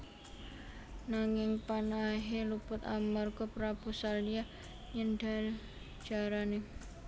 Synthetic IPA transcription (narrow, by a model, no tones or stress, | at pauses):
naŋɪŋpanaɦelupʊt̪amərkɔpɾabusalia | ɲəndal | d͡ʒ̥aɾane